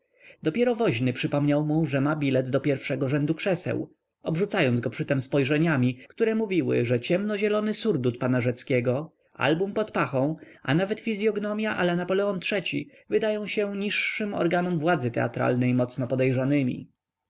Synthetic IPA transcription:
d̪ɔpʲjɛɾɔvɔʑnɘpʂɘpɔmɲawmuʐɛmabʲilɛd̪d̪ɔpʲjɛɾfʂɛɡɔʐɛnd̪ukʂɛsɛ̰w | ɔbʐut̪sajɔnd̪ɡɔpʂɘt̪ɛmspɔjʐɛɲamʲikt̪uɾɛmuvʲiwɘ̰ʐɛt͡ɕɛmnɔʑɛlɔnɘsuɾd̪ut̪̚panaʐɛt̪skʲɛɡɔ | a̰lbumpɔt̪paxɔ̃w̃ʔa̰navɛt̪fʲizʲjɔɡnɔmʲjaʔa̰lɛnapɔlɛɔntʂɛt͡ɕḭ | vɘd̪ajɔ̃w̃ɕɛɲiʂːɘmɔ̰ɾɡanumvwad̪zɘt̪ɛ̰a̰t̪ɾa̰lnɛjmɔt̪snɔpɔd̪ɛjʐanɘmʲḭ

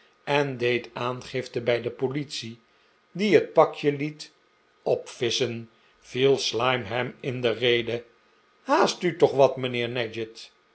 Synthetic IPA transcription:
ʔɛndejtaːnχɪftəbɛjdəpolitsi | diɦət̚pɑkjəlit | ɔpfɪsən | v̥ilˠslɑjmɦɛmɪndərejdə | haːstytɔχʋɑtmənɪːɹnɛd͡ʒət

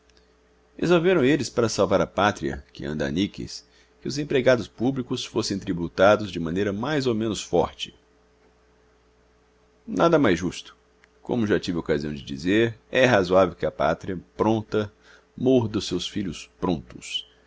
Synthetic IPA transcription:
hḛzoveɾɐ̃w̃elɪspaɾɐsawvaɾɐpat̪ɾiɐ̰kɪ̰ɐ̃nd̪a̰nikɪ̰s | kɪʊzẽpɾeɡad̪ʊspublikʊsfosẽj̃t̪ɾibut̪ad̪ʊzd͡ʒɪmɐ̃nejɾɐmajzowmẽnʊsfɔ̰ɾt͡ʃɪ̥ | nad̪ɐmajzʒust̪ʊ̥ | kõ̰mʊʒat͡ʃivɪokaziɐ̃w̃d͡ʒɪd͡ʒḭzeɾɛɦazuavewkɪɐpa̰t̪ɾiɐpɾõnt̪ɐ | moɾd̪ɐsewsfiʎʊspɾõnt̪ʊ̥s

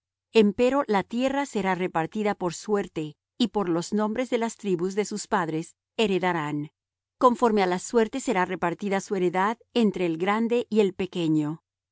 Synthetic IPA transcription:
e̞mpe̞ɾo̞lat̪je̞rase̞ɾare̞paɾt̪iðapo̞ɾswe̞ɾt̪e | ipo̞ɾlo̞znõ̞mbɾe̞zðe̞last̪ɾiβuzðe̞suspaðɾes | eɾe̞ðaɾan | ko̞ɱfo̞ɾme̞alaswe̞ɾt̪e̞se̞ɾare̞paɾt̪iðasue̞ɾe̞ðað | e̞nt̪ɾe̞ːlɡɾand̪e̞ʔie̞lpe̞ke̞ɲo̞

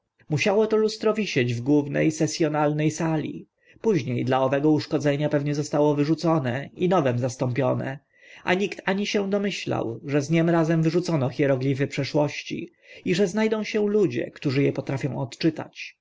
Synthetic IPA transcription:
muɕawɔt̪ɔlust̪ɾɔvʲiɕɛd͡ʑvɡwuvnɛ̰jsɛsʲjɔnalnɛjsalʲḭ | puʑɲejd̪laɔvɛɡɔuʂkɔd̪zɛɲapɛvɲɛzɔst̪awɔvɘʐut̪sɔnɛinɔvɛmzast̪ɔmpʲjɔnɛ̰ | ʔa̰ɲikt̪aɲiɕɛd̪ɔmɘɕla̰wʐɛzɲɛmɾazɛmvɘʐut̪sɔnɔxʲjɛɾɔɡlʲivɘpʂɛʂwɔɕt͡ɕḭ | iʐɛznajd̪ɔ̃w̃ɕɛ̃lud͡ʑɛ̰kt̪uʐɘjɛpɔt̪ɾafʲjɔ̃w̃ɔt̪t͡ʂɘt̪a̰t͡ɕ

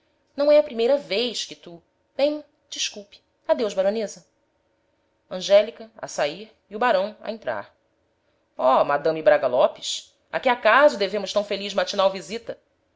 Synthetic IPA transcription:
nɐ̃w̃ɛɐpɾimejɾɐvejʃkɪt̪u | b̥ẽj̃ | d͡ʒiʃkuwpi̥ | ad̪ewʒbaɾonezɐ | ɐ̃ʒɛlikɐa̰saiɾ | iʊbaɾɐ̃w̃a̰ẽnt̪ɾa̰ɾ | ɔmad̪ɐ̃mibɾaɡɐlɔpɪʃ | a̰kiakazʊd̪evẽmʊʃt̪ɐ̃w̃feliʒmat͡ʃinawvizit̪ɐ

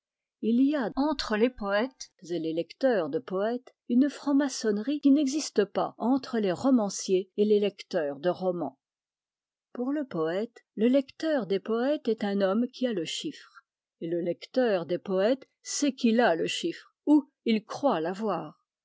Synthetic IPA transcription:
iliaɑ̃t̪χəlepɔɛt̪zelelɛkt̪œːʁd̪əpɔɛt̪ | ynfχɑ̃masɔnʁikʲinɛɡzist̪əpa̰ɑ̃t̪χəleʁɔmɑ̃sjeelelɛkt̪œːʁd̪əʁɔmɑ̰̃ | puʁləpɔɛt̪ləlɛkt̪œʁd̪epɔɛt̪ɛt̪ɛ̃nɔmkʲʰialəʃifχ | eləlɛkt̪œʁd̪epɔɛt̪ | sɛkilaləʃifχ | u | ilkχwalavwaːʁ

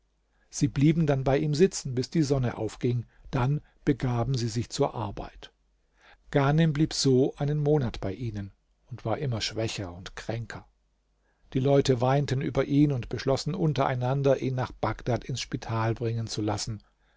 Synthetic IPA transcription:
z̥iːbliːbm̩danbaɪʔiːmzɪt͡sn̩bɪsd̥iːzɔnəʔa̰ʊfɡ̥ɪŋ | d̥an | b̥əɡaːbm̩ziːzɪçt͡suːɐʔaɐba̰ɪt | ɡ̥aːnɛmbliːpz̥oːʔaɪnənmoːnatb̥aɪʔiːnən | ʊntv̥aːɐʔɪmɐʃv̥ɛçɐʊntkʁ̥ɛŋkʰɐ | d̥iːlɔʏtəvaɪntən̩ʔyːbɐʔiːnʊntb̥əʃlɔsn̩ʔʊntɐʔa̰ɪnandɐʔiːnːaːχb̥aɡd̥atɪnsʃpitʰaːlbʁɪŋənt͡sulasn̩

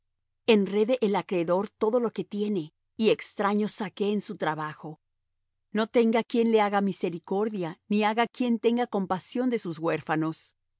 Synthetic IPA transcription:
e̞nre̞ðe̞ʔelakɾe̞ðo̞ɾt̪o̞ðo̞lo̞ke̞t̪je̞ne̞ | ie̞kst̪ɾaɲo̞sake̞ːnsut̪ɾaβaxo̞ | no̞t̪e̞ŋɡakje̞nle̞aɣamise̞ɾiko̞ɾðjaniaɣakje̞nt̪e̞ŋɡako̞mpasjo̞nd̪e̞suzɣwe̞ɾfano̞s

